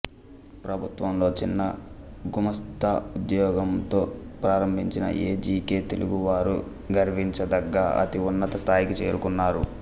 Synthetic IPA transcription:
pɾɐbʱut̪ʋɐmlo̞ːt͡ʃinːɐɡumɐst̪aud̪jɔːɡɐmt̪o̞ːpɾaːɾɐmbʱiɲt͡ʃinɐ̰ʔeːd͡ʒiːkeːt̪eluɡuʋaːɾṵ | ɡɐɾʋiɲt͡ʃɐd̪ɐɡːɐɐ̰t̪iunːɐt̪ɐst̪ʰaːjikit͡ʃe̞ːɾukunːaːɾṵ

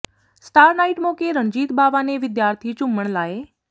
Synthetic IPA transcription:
sʈaːɾnaːiʈmokeɾə̃ɲd͡ʑiːt̪̚baːʋaneʋɪd̪jaːɾt̪ʰit͡ʃʊməɽ̃laːe

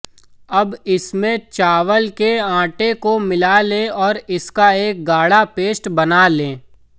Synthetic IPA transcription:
ɐbɪsmẽt͡ʃaːʋəlkeãːʈekomɪlalẽɔːɾɪskaeːk̚ɡaːɽapeːsʈbɐnalẽː

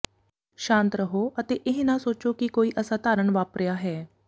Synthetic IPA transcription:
ʃãːnt̪ɾəɦoːʔət̪eːʔɪɦnãːsoːt͡ʃoːkɪkoːiːʔəsãːt̪aːɾəɳʋaːpɾejaːɦɛː

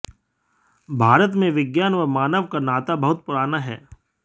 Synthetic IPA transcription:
bʱaːɾət̪mẽʋɪɡjaːnɔːɾmaːnəʋkanaːt̪abɐɦʊt̪̚pʊɾaːnaɦɛ̰ː

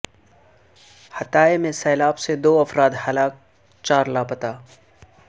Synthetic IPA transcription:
hɐt̪aːemẽsɛːlaːbsed̪oːɐfɾaːd̪hɐlaːk̚ | t͡ʃaːɾlaːpət̪aː

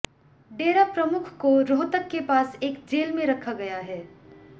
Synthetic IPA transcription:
ɖeːɾapɾɐmʊkʰkoɾoːt̪əkːepaːseːkd͡ʒeːlmẽɾɐkʰaɡɐjaɦɛː

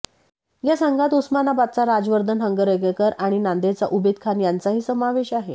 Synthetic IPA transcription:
jasaŋɡʱat̪usmanabat̪̚t͡saɾad͡zʋəɾd̪ʱənɦəŋɡəɾəɡekəɾaɽ̃inand̪et͡saʔubed̪̚kʰanjant͡saɦiːsəmaʋeɕaɦe

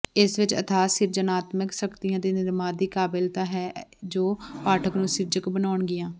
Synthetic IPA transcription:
ɪsʋɪt͡ʃə̰t̪ʰaːsɪɾd͡ʒənaːt̪məksəkt̪ijãːd̪eːnɪɾmãːd̪iːkaːbɪlt̪ãːɦɛːd͡ʒoːpaːʈʰəknũːsɪɾd͡ʒəkbənaːʊɳɡɪjãː

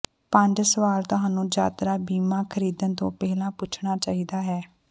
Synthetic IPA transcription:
pə̃ɲd͡ʒsəʋaːlt̪ʊɦãːnũːd͡ʒa̰ːt̪ɾaːbiːmãːkʰəɾiːd̪ənt̪õ̰ːpɛːlãːpʊt͡ʃʰɳaːt͡ʃaːɦiːd̪aːɦɛː

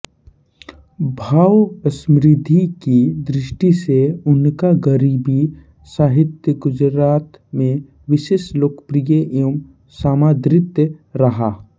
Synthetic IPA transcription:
bʱaːwəsmɾɪd̪ʱikid̪ɾɪʃʈiseʊnkaɡəɾiːbi | saːɦɪt̪jəɡʊd͡ʒɾaːt̪mẽ | ʋɪʃeːʃloːkə̥pɾijəʔom | saːmaːd̪ɾɪt̪jəɾɐɦaː

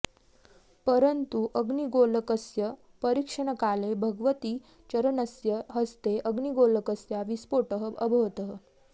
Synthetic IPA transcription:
pəɾənt̪uʔəɡɳiɡoləkəsjə | pəɾikʂəɳəkalebʱəɡʋət̪iː | t͡ɕəɾənəsjəɦəst̪eʔəɡɳiɡoləkəsjaʋispoʈəɦəəbʱəʋt̪əɦə

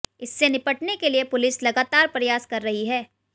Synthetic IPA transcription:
ɪsːenɪpəʈnekeliepʊlɪslɐɡaːt̪aːɾpɾɐjaːskɐɾːɐɦiɦɛː

